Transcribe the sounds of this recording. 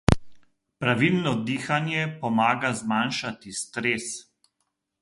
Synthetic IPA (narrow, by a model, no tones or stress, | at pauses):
pɾaʋilnɔd̪iːxanjɛpɔmaːɡazmaːnʃat̪ist̪ɾeːs